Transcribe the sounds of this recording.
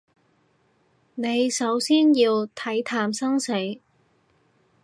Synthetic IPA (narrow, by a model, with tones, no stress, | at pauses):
ne˨˧jsɐ˨˥wsiː˥njiː˧wt̪ʰɐ˨˥jt̪ʰaː˨˧msɐ˥ŋse˨˥j